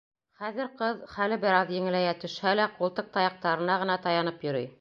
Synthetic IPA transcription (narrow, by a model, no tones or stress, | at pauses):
χæðɘ̆ɾqɤðχælɘbɘ̆ɾɑðjɘ̆ŋɘ̆læjæt̪ɵ̆ʃhælæqulˠt̪ɤq̚t̪ɑjɑq̚t̪ɑɾɤ̆nɑʁɤ̆nɑt̪ɑjɑnɤpjɵ̆ɾɵ̰j